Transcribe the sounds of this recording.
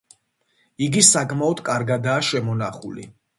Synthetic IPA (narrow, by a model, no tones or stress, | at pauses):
iɡisakʰʼmaɔd̪̥kʼaɾɡad̪aːʃɛmɔnaχulḭ